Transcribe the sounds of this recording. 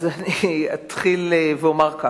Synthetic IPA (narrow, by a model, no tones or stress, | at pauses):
zaniat̪χileveomaʁka